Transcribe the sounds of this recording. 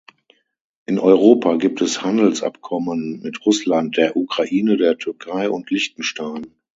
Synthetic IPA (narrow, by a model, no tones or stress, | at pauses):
ʔɪnʔɔʏʁoːpʰaɡiːp̚tʰɛshandl̩sʔa̰pkʰɔmənmɪtʁʊslant̚d̥eːɐʔukʁ̥aʔiːnədeːɐtʰʏɐkʰaɪʔʊntʰlɪçtn̩ʃtaɪn